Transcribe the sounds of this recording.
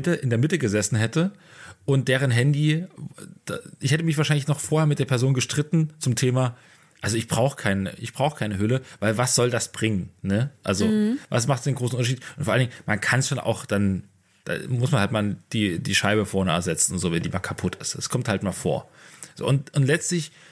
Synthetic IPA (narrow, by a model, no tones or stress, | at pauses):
təʔɪndeːɐmɪtəɡəzɛsn̩ɦɛtəʔʊnt̚d̥eːʁənɦɛndi | d̥aʔɪçhɛtəmɪçv̥aːɐʃaɪnlɪçnɔχfoːɐheːɐmɪt̚d̥eːɐpʰɛɐzoːnɡəʃtʁ̥ɪtn̩t͡sʊmtʰeːma | ʔalzoɪçb̥ʁaʊxə̥kʰaɪnəəʔɪçb̥ʁ̥aʊxə̥kʰaɪnəɦʏləvaɪlvasz̥ɔldasb̥ʁɪŋənnəʔa̰lzova̰smaχtd̥eːnɡʁoːsn̩ʔʊntɐʃiːtʔʊnfɔɐalndɪŋəmankʰansʃonʔa̰ʊxd̥an | d̥a̰ːmʊsmanhaltmaːld̥iːdiːʃaɪbəfɔɐnəɛ̰ɐ̰ɐzɛt͡sn̩ʊntz̥oːvɛndiːma̰ːlkʰapʰʊtʰɪstɛskʰɔmthaltmaːlfo̰ːɐz̥o̰ːʊntʔʊntlɛt͡stlɪç